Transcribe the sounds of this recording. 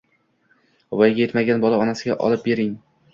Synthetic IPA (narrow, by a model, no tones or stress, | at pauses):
vajɡʲaje̞t̪maɡʲanbɒlˠaɒnasɪɡʲaʔɒ̰lˠɪp̚be̞ɾɪŋ